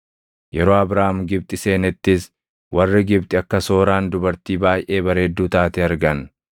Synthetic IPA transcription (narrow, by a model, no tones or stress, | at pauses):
jɛɾo̞ːɐbɾaːmɡɪb̚t̪ʼɪse̞ːnɛt̪ːɪs | wɐrːɪɡɪbt̪ʼɪɐkːɐso̞ːɾaːnd̪ʊbɐɾt̪iːbaːjʔe̞ːbɐɾeːd̪ːuːt̪aːt̪ɛɐɾɡɐn